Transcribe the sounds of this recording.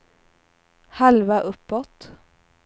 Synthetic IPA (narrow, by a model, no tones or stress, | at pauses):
halvaʔɵpːɔt̪